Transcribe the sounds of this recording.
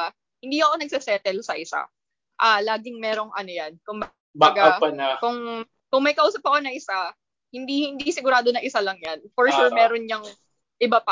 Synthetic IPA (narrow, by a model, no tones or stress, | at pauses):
hɪnd̪iːʊʔɐkonɐɡ̚sɛsɛːt̪ɛlsɐʔɪsa̰ | ʔalaːɡɪŋmɛːɾoŋʔɐnojankʊŋb | baːɡapɐnɐkʊŋ | kʊŋmɐjkɐʔuːsɐp̚hɐkonɐŋʔɪsa | hɪnd̪ihɪnd̪isɪɡʊɾaːd̪onɐŋʔɪsalɐŋjanfɔɹʃuɹmɛːɾonɲɐŋ | ʔɪbapɐ